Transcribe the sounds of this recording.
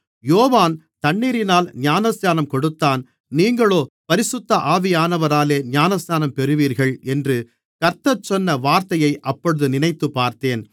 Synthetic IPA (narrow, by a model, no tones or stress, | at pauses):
joːʋaːn | t̪ɐɳːiːɾɪnaːlnjaːnɐsjaːnɐmkɔɽɯt̪ːaːn | niːŋɡɐɭoːpɐɾɪsʊt̪ːɐʔaːʋɪjaːnɐʋɐɾaːleːnaːnɐsjaːnɐmpɛɾɯʋiːɾɣɐɭɛndrɯ | kɐɾt̪ɐt͡ʃːɔnːɐʋaːɾt̪ɐjɐɪʔɐpːɔɽɯðɯnɪnɐɪt̪ːɯpːaːɾt̪eːn